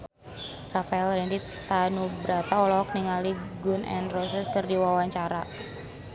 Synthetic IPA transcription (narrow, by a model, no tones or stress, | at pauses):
rafaɛlɾɛndi | t̪anubɾat̪aɔlɔk̚niŋaliɡunʔɛ̰nrɔsəskɨrdiwawaɲt͡ʃaɾa